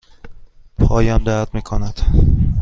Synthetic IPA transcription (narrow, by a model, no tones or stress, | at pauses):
pʰɒːjɒːnd̪æd̪miːkʰonæd̪̥